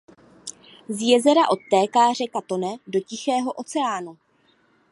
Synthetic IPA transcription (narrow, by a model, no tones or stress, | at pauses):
zjɛzɛɾaʔo̞t̪ːɛːkaːr̝ɛkat̪o̞nɛdo̞cɪxɛːɦo̞ʔo̞t͡sɛaːnu